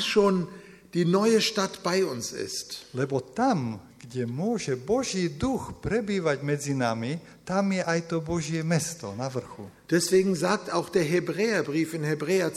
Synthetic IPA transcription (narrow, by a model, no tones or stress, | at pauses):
ʃoːn | d̥iːnɔʏəʃtatb̥aɪʊnsɪ̰stlɛbɔt̪amɡ̥ɟɛmʊɔʒɛbɔʒiːd̪uxpɾɛbiːʋaɟmɛd͡zinami | t̪amjɛʔajt̪ɔbɔʒɪɛmɛst̪ɔ̰naʋr̩xud̥ɛsv̥eːɡŋ̩zaːk̚taʊxd̥eːɐɦebʁɛːɐbʁiːfɪnhebʁɛːɐ